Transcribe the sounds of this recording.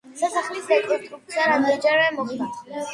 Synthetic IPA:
sasaχlisɛkʼɔst̪ʼɾup̚t̪sʰiaɾad̪ɛd͡ʒaɾvɛmɔχd̪a

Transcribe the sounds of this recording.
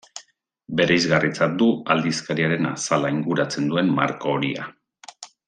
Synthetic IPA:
be̞ɾejzɣarit͡sat̪̚d̪uald̪iskaɾiaɾe̞na̰salaiŋɡuɾat͡se̞nd̪ue̞mma̰ɾkoːɾia̰

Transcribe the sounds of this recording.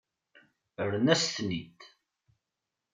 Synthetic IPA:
əɾnæsθnid̪

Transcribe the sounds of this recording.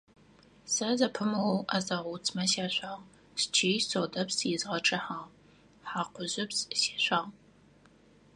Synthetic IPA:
sɐzɐpʰɨmɨwʔazɐʁʷut͡sʰʼmɐsaːɕʷaːʁ | st͡ʃʰeːjsoːdɐpsjɪzʁɐʈ͡ʂʼɨħaːʁ | ħaːqʷʊʒɪpsse̥ːɕʷaːʁ

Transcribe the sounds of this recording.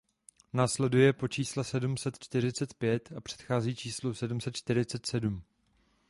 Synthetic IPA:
naːslɛdujɛpo̞t͡ʃiːslɛsɛdumsɛt̪t͡ʃt̪ɪɾ̝ɪt͡sɛt̪pjɛt̪apr̝̥ɛ̥t̪xaːziːt͡ʃiːslosɛdumsɛt̪t͡ʃt̪ɪɾɪt͡sɛt̪sɛdum

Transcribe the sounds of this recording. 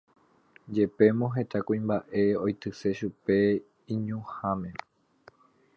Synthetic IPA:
d͡ʒe̞pe̞mõɦe̞t̪akũĩmbaʔe̞ojt̪ɨse̞ʃupe̞ | ĩɲũhãmẽ̞

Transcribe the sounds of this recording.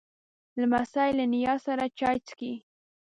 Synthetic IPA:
lmasajlɪnɪjɑsaɾat͡ʃɑjt͡ski

